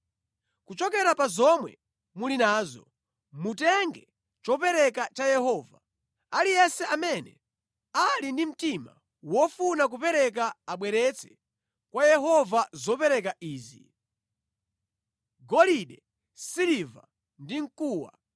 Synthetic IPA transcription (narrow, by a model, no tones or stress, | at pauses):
kut͡ʃɔkɛɾapazɔmwɛ̰ | mulinaːzɔ | mutɛŋɡɛ | t͡ʃɔpɛɾɛkat͡ʃajɛhɔːva | alijɛsɛamɛnɛ̰ | alindim̩tima̰ | wɔfunak̬upɛɾɛk̬aːɓwɛɾɛt͡sʰɛ̥ | kwajɛɦɔvazɔpɛɾɛk̬aʔiːzḭ | ɡɔliɗɛ | siɾiva̰ | ndiŋ̩kuːwa̰